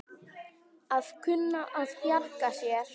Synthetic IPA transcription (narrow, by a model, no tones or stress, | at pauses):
aðkʰʏnːaʔaðjalkasjɛɾ̥